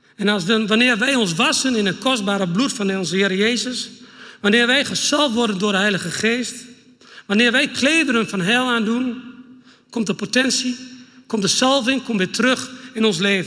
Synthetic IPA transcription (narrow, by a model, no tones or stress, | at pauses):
ɛnaʋanɪːrʋɛjɔns̬ʋasənɪnətkʰɔst̚baːɾəblutfɔnɔnsəhɪːɾəjeːzəsʋanɪːʋɛjxəsalˠftʋɔrdəndʊədəɦɛjləɣəxeːst | ʋanɪːrʋɛjkʰleːdəɾənfɔnɦɛlˠaːndun | kɔmt̚dəpotɛnsikɔmtdəsalˠvɪŋkɔmʋɪtʰərøxɪnɔns̬leːvən